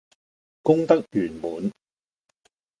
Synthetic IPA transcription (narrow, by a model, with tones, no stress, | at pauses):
kʊ˥ŋt̪ɐ˥k̚jyː˨˩nmuː˨˧n